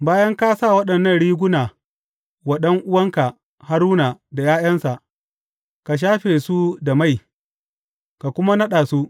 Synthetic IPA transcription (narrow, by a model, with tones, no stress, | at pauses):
baː˦jɐ˦ŋka˦saː˦˨wɐ˦ɗɐ˨nːɐ˦˨nɽiː˦ɡʷʊ˦naː˨ | wɐ˦ɗɐ˦ŋʔʊ˦wɐ˦ŋka˨ | ha˦ɾuː˦naː˨da˨jaː˦jɐ˦nsa˨ʔ | ka˨ʃ̬aː˦ɸeː˨su˦da˨ma˦˨j | ka˨kʷʊ˦ma˦nɐ˦ɗaː˨su˦ʔ